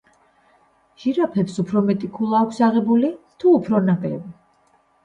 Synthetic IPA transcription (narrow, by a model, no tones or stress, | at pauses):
ʒ̥iɾapʰɛpsupʰɾɔmɛt̪ʼikʰulˠaːkʷʰsaʁɛbulit̪ʰuːpʰɾɔnapʼɛvi